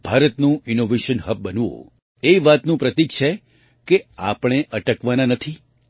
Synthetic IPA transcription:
b̥ʱaɾət̪nũʔinoʋeʃənɦəb̚bənʋõ̰ | eʋat̪nũpɾət̪ik̚t͡ʃʰe | keapɽ̃eʔəʈəkʋananət̪ʰi

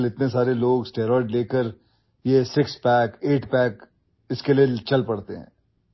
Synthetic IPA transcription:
lɪt̪nes̬aːɾeloːɡsʈeːɾɔːɖleːkəɾ | jesɪkspɛːkeːʈpɛːk | ɪskelijet͡ʃɐlpɐɽt̪eɦɛ̰̃ː

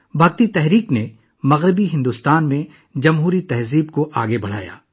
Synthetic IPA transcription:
bʱɐɡt̪it̪ɛɦɾiːkne | mɐɣɾɪbiɦɪ̃nd̪ust̪aːnmẽ | d͡ʒɐmɦuːɾit̪ɛɦziːbkoʔaːɡebɐɽ̤a̰ːja̰ː

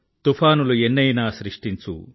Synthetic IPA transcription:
t̪upʰaːnuluenːɐjnaːsɾiʂʈiɲt͡ʃṵ

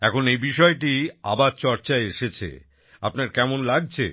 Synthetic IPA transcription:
ɛkʰonejbiʃɔeʈia̰baɾt͡ɕɔɾt͡ɕaeeʃet͡ɕʰḛ | a̰pnaɾkɛmonlaɡ̚t͡ɕʰḛ

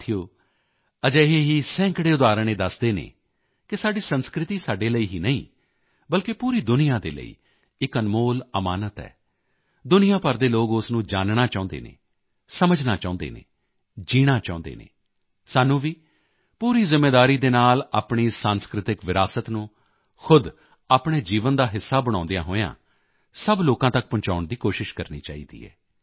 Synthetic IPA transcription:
t̪ʰijoː | əd͡ʒəːɦeːɦiːsɛ̃ːŋkɽeːʊd̪aːɾəɳ̃ẽːd̪əsd̪eːnḛ̃ː | kɪsaːɖiːsənskɾɪt̪iːsaːɖeːləiːɦiːnəḭ̃ː | bəlkepuːɾiːd̪ʊnijãːd̪ḛːlə̰ḭː | ɪkənmoːləmaːnət̪ɦɛ̰ː | d̪ʊnɪjãːpəɾd̪eːloːɡʊsnũːd͡ʒaːnnaːt͡ʃaːʊ̃nd̪ḛːnḛː | səməd͡ʒnaːt͡ʃaːʊ̃nd̪ḛːnḛː | d͡ʒiːɽ̃aːt͡ʃaːʊ̃nd̪ḛːnḛː | saːnːũːʋiː | puːɾiːzɪmːeːd̪aːɾiːd̪eːnaːlaːpɳ̃iːsãːnskɾɪt̪ɪkʋɪɾaːsət̪nũː | xʰʊd̪ | aːpɽeːd͡ʒiːʋənd̪aːɦɪsːaːbəɽ̃ãːnd̪ejã̰ːɦoːjã̰ː | səbloːkãːt̪ək̚pʊ̃ɲt͡ʃaːʊɳd̪iːkoːʃɪʃkəɾnḭːt͡ʃaːḭːd̪ḭːɛ̰ː

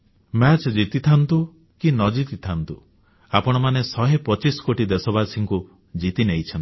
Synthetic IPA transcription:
mɛt͡ʃd͡ʒit̪it̪ʰant̪u | kinɔd͡ʒit̪it̪ʰant̪u | apɔɽ̃ɔmanesɔɦepɔt͡ʃisɔ̥koʈid̪esɔbasiŋku | d͡ʒit̪ineɦjt͡ʃʰɔnt̪i

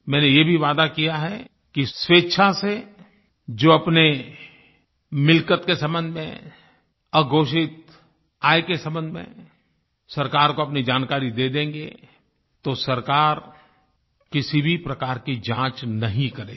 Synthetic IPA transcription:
mɛ̃ːnejebʱiʋaːd̪akijaɦɛ | kisweːtːʃʰase | d͡ʒoːɐpne | mɪlkət̪kesɐ̃mbə̃nd̪ʱmḛ̃ | əɡʱoːʃɪt̪ | aːekesɐ̃mbənd̪ʱmḛ̃ | sɐɾkaːɾkoɐpnid͡ʒaːnkaːɾid̪eːd̪ẽːŋɡḛ | t̪osɐɾkaːɾ | kɪsibʱipɾɐkaːɾkid͡ʒãːt͡ʃnɐɦĩkɐɾḛː

